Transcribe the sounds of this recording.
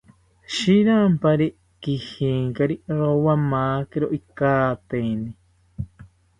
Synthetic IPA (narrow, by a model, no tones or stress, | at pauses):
ʃiɾampaɾi | kihiːŋkaɾiɾowamaːkeɾoʔikaːt̪eni